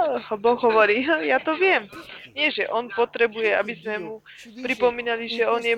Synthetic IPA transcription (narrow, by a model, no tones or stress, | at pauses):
bɔɣɦɔʋɔɾiːɦjat̪ɔʋɪɛmɲɪɛʒɛʔɔnpɔt̪ɾɛbujɛa̰bizmɛmu | pɾipɔmiːnaliʒɛɔnjɛ